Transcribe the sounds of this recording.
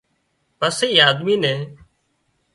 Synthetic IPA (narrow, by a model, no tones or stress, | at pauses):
pəseiːaːd̪miːnẽː